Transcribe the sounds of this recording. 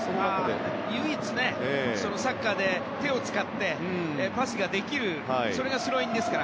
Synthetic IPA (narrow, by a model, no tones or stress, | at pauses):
sonaae | jɯit͡sɨne̞eso̞no̞sakːad̪e̞t̪e̞o̞t͡sɨ̥kat̪ːe̞ | paɕiɡad̪e̞kʲiɾɯ̟ | aiso̞ɾe̞ɡasɨɾo̞ĩnd̪e̞sɨ̥kaɾa